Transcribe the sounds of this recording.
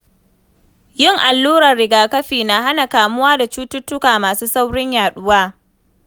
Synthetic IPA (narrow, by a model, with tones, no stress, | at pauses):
jɪ˦˨ŋʔa˨lːuː˦ɽɐ˨rɽɪ˨ɡaː˨kɐ˦ɸiː˨na˨ɦa˦na˨kaː˨mʊ˦waː˦da˨t͡ʃuː˦tʊ˦tːʊ˦kaː˨maː˨suː˦sa˦wɽɪ˦ɲjaː˨ɗʊ˦waː˦